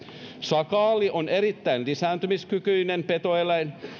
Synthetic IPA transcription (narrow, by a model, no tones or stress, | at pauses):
sɑkɑːliʔoneɾit̪ːæinlisæːnt̪ymiskykyinempet̪oelæin